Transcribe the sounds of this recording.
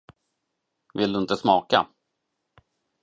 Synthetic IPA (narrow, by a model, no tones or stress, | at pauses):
vɪld̪ɵɪnt̪əsmɑːka̰